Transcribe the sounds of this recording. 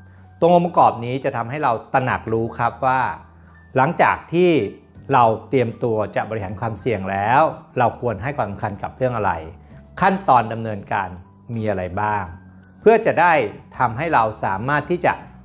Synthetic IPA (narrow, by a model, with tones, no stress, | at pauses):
t̪u˧əʔo˧mpa˧kɔː˨˩p̚niː˦˥t͡ɕa˨˩t̪ʰa˧mɦa˥˩jɾa˧wt̪a˧na̰˨˩k̚ɾuː˦˥kʰɾa˦˥p̚waː˥˩ | la˩˦ŋt͡ɕa̰ː˨˩k̚t̪ʰiː˥˩ | ɾa˧wt̪i˧əmt̪u˧ɐt͡ɕa˨˩bɔ˧i˥haː˩˦nkʰwaː˧msi˨˩əŋlɛː˦˥wɾa˧wkʰu˧ənɦa˥˩jkʰwaː˧msa˨˦mkʰa˧nka˨˩p̚ɾɯ˥˩əŋʔa˧ɾa̰˧j | kʰa˥˩nt̪ɔː˧nda˧mnɤː˧nkaː˧n | miː˧ʔa˧ɾa˧jbaː˥˩ŋ | pʰɯ˥˩ət͡ɕa˨˩daː˥˩jt̪ʰa˧mɦa˥˩jɾa˧wsaː˩˦maː˥˩t̪ʰːiː˥˩t͡ɕa̰˨˩ʔ